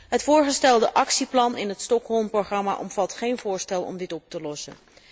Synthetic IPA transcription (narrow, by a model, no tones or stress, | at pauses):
ɦətfʊːɹχəstɛlˠdəʔɑksiplɑnɪnɦətstɔkɦɔlˠmproχrɑma̰ʔɔmvɑtχejnvʊːɹstɛlˠɔ̰mdɪtɔp̚təlɔsə̰n